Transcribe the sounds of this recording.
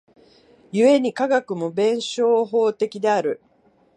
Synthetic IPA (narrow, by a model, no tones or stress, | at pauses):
jɯe̞ɲ̟ikaɡakɯ̟mo̞bẽ̞ɰ̃ɕo̞ːɦo̞ːt̪e̞kʲid̪e̞aɾɯ̟